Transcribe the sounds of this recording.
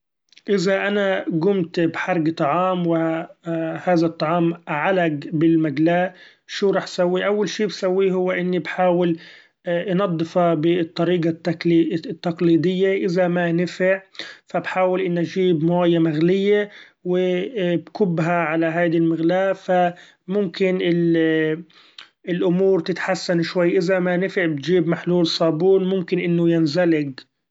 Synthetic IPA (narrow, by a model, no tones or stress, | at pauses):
ʔɪzaʔanaɡʊmt̪bħɑɾˤɡt̪ˤɑʕɑːmwɪ | haːðat̪ˤːɑʕɑːmʕalaɡbɪlmaɡlaːʔ | ʃuːɾˤɑːħʔsawːiʔawːalʃiːbsawːiɦʊwːʔɪnːibħaːwɪl | ʔnɑd̪ˤːɨfɑbɪt̪ˤːɑɾiːɡatː | t̪ːɑqliːd̪ɪjːaʔɪzamanɪfɪʕfabħaːwɪlʔɪnːʔad͡ʒiːbmaːjamaɣlɪjːe | wɪbkʊbːɦaʕalaɦaːd̪ilmɪɣlaːfa | mʊmkɪnɪl | ɪlʔʊmuːɾt̪ɪt̪ħasːanʃwajːʔɪzamanɪfɪʕbɪt̪d͡ʒiːbmaħluːlsˤɑːbuːnmʊmkɪnʔɪnːʊjɪnzalɪɡ